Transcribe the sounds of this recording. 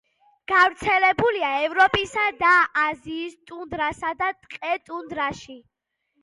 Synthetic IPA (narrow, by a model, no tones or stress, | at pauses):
ɡ̥avɾt̪sʰɛlɛbuliaɛvɾɔpʼisad̪aaziːst̪ʼund̪ɾasad̪at̪ʼqʼɛt̪ʼund̪ɾaʃi